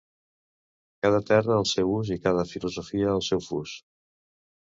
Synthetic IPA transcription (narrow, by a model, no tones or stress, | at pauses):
kað̞ət̪ɛrəːlˠsɛwuzikað̞əfiluzofiəːlˠsɛwfus